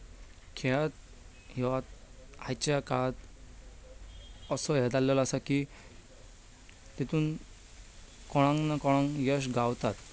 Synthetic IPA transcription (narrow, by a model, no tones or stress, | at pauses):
kʰɛt̪ | ɦɛʋat̪̚ajt͡ɕjakaɭt̪ | əsɔjɛd̪alːɔlasaki | t̪it̪uːn | kɔɽ̃ãŋnakɔɽ̃ãŋjəɕ̬ɡawt̪at̪